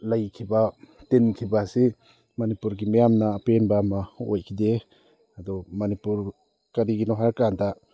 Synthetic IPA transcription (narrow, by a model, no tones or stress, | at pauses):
lajkʰibatenkʰibasi | manipuɾɡimijamnaːpenbamao̰jkʰide | adɔmanipuɾ | kaɾiɡinɔɦaɾkanta